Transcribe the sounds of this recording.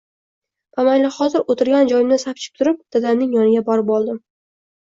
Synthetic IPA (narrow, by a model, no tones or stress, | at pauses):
pʰamajlɪχɒzɪɾot̪ʰɪɾɡʲand͡ʒɒjɪmnɪsap̚t͡ʃʰɪ̥p̚t̪ʰʊɾɪp̚d̪̥ad̪amnɪŋjɒnɪɡʲabɒɾɪpɒlˠd̪ɪ